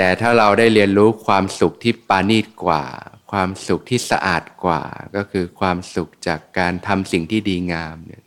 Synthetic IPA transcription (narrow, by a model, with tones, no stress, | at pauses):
t̪ɛː˨˩t̪ʰaː˥˩ɾa˧wdaː˥˩jɾi˧ənɾuː˦˥kʰwaː˧msu˨˩k̚t̪ʰiː˥˩paː˧niː˥˩t̪̚kwa̰ː˨˩kʰwaː˧msu˨˩k̚t̪ʰiː˥˩sa̰˧ʔa̰ː˨˩t̪̚kwa̰ː˨˩kɔː˥˩kʰɯː˧kʰwaː˧msu˨˩k̚t͡ɕaː˨˩kːaː˧nt̪ʰa˧msi˨˩ŋt̪ʰiː˥˩diː˧ŋaː˧mni˥˩ɐ